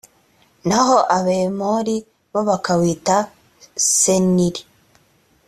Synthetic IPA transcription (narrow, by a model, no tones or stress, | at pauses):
naɦoʔaβeːmoɾi | βoβakawiːta | seniɾi